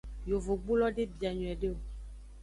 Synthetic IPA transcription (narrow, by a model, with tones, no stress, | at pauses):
jo˨vo˨ɡ͡bu˦lɔ˦ɖe˦bi˨a˨ɲɔ̃˨ɛ˨ɖe˦o˨